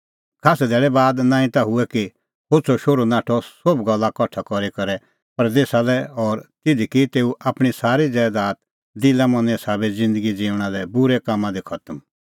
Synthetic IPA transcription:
kʰaːsɛd̪ʱɛːɭɛbaːd̪nãːĩt̪aɦʊɛki | hʊt͡sʰoʃoːɾonaːʈʰɔsobɡɐlːakɔʈʰːakɔɾikɐɾɛ | pɐɾd̪eːsalɛɔːɾt̪ɪd̪ʱikit̪eːuʔaːpɽ̃isaːɾid͡zɛːd̪aːt̪̚ | d̪ɪlamɐ̃nɛ̃saːbɛd͡zɪ̃nd̪əɡid͡ziːʊɽ̃alɛbʊɾɛkaːmːãd̪ikʰɐt̪əm

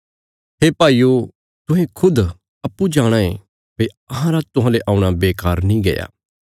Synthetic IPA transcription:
ɦeːpaːiːo | t̪ʊ̃ɦẽkʰʊd̪ | ɐpːud͡ʒãːɽ̃ãḛ̃ | pe | ɐɦãɾat̪ʊɦãːleʔãːʊ̃ɽ̃abeːkaːɾnĩɡḛːja̰ː

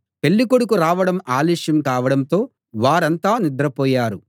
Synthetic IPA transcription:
pe̞ɭːikoɽukuɾaːʋɐɽɐmaːliːʂjɐmkaːʋɐɽɐnt̪o̞ː | ʋaːɾɐnt̪aːnid̪ɾɐpɔːjaːɾu

